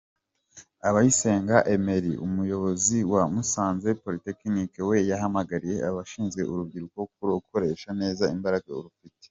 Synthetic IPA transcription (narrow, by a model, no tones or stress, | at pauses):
aβajise̞ːŋɡaʔe̞me̞ɾiʔumujo̞βo̞ziwamusaːnzepo̞ɾitekinikewe̞jaɦamaɡaɾije̞ʔaβaʃiːnzɡe̞ʔuɾub̚ɡiɾuko̞uk̚uɾokʰo̞ɾe̞ʃane̞ːzaimbaɾaɡaṵɾufite̥